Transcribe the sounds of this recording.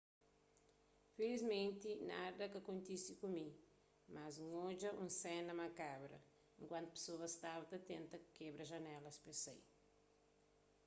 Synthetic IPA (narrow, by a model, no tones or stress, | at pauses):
felizmẽnt̪inad̪ɐkɐkõnt̪isikumi | mazuŋod͡ʒɐʔũŋsɛnɐmɐkabɾɐ̰ | ẽŋkwãnt̪u̥pe̥soɐst̪avɐt̪ɐt̪ẽnt̪ɐkkebɾɐʒɐnɛlɐspesḛj